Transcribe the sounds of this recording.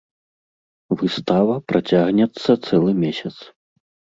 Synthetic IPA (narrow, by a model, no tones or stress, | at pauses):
vɨst̪avɐpɾʔat͡sʲaɣnʲɛt̪sːɐt̪sɛlˠɨmʲesʲɐt̪s